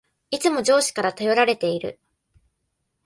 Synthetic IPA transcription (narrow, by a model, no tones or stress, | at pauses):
it͡sɨmo̞d͡ʑo̞ːɕi̥kaɾat̪ajo̞ɾaɾe̞t̪e̞iɾɯ̟̰